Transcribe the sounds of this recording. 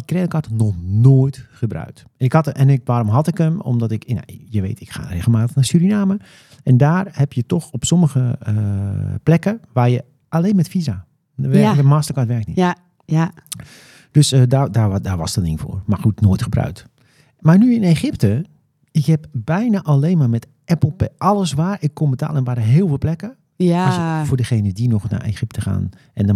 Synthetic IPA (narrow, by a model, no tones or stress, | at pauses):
ikreːləkɑtnɔxnoːjtχəbrœ̰ɥk̚t | ɛnɪkhɔtʔɛnɪkʋaːɾomɦɔtɪkəmɔ̰mdɔtɪkna̰jəʋḛːtɪkxa̰ːreːɣəlˠmaːtəxnasyɾinaːmə | ɛndaːrhɛpjətɔxɔpsɔməɣəəplɛkəʋaːrjə | ʔaleːnmɛtfiza | əʋɛəmaːstərkatʋɛrkni | d̥øsədadadaʋa̰stənɪŋfo̰ːrmarxutnoːjtxəbrœ̰ɥt | marnyɪneːxɪp̚tə | ɪkhɛpbɛjnaʔaleːnmaːrmɛt | ɛpl̩ˠpɛʔɔləsʋaːrɪkːombəta̰ːlˠənʋaːdəɦɪːlˠfɪːlˠplɛkə | sfʊːrdəxeːnədinɔxna̰rḛxɪp̚təxa̰ːn | ɛnd